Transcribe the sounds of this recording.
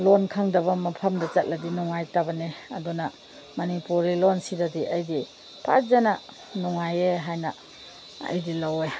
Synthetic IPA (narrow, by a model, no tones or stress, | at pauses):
lɔnkʰaŋdɐβɐmɐpʰɐmdɐt͡ʃɐt̚lɐdinuŋajtabɐneɐ̰dunɐ | mɐnipuɾilɔnsidadiʔajdi | pʰa̰t̚zanɐ | nuŋajeɦajnɐ | ɐ̰jdilawe